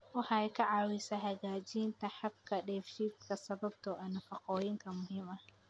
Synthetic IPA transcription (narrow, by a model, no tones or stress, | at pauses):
ʔʊħajkɐʕawɪsɐɦaɡaːd͡ʒiːnt̪ɐħab̚kʰɐɗɛːfʃit̪kɐsɐbɐb̚t̪ʰɔʔɐnɐfɐqoːjɪŋkʰɐmʊhɪmʔɐ